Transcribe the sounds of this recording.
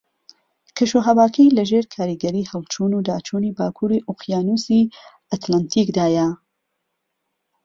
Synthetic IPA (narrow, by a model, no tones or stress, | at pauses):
kʰəʃoɦɐbaːkʰijlɐʒeːɾkʰaːɾiːɡɐɾiːhəlˠt͡ʃʰuːnuːd̪aːt͡ʃuːniːbaːkʰuːɾiːʔuqjaːnuːsi | at̪lant̪ʰiːkd̪aːja